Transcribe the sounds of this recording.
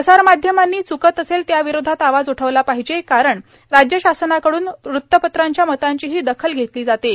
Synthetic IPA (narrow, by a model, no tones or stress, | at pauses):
əsaɾmad̪ʱjəmanːiːt͡sukət̪əselt̪jaʋiɾod̪ʱat̪aʋad͡zuʈʰəʋlapaɦid͡ʑekaɾəɳ | ɾad͡ʑjəɕasənakəɽuːnɾut̪ːəpət̪ɾaɲt͡ɕjamət̪aɲt͡ɕiːɦiːd̪əkʰəlɡʱet̪liːd͡zat̪e